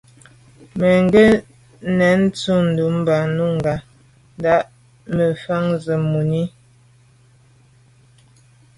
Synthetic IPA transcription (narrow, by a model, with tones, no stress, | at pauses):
me˨ŋ˦ɡe˦ | nɛ˨˦n˦tu˦˨n̩˨du˨˦m̩˦ba˨nu˦ŋ̩˨ɡa˨ | n˦da˦ʔ | mə˨fa˦ŋzə˨mu˨ni˦